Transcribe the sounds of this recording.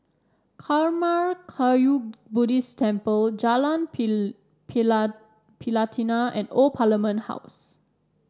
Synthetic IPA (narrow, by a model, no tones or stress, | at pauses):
kʰaɹmaɹkʰajubudistʰɛ̃mpəld͡ʒalãn | pʰ | pʰilatʰinaɛ̰̃nɔlpʰaləmə̃ntha̰ws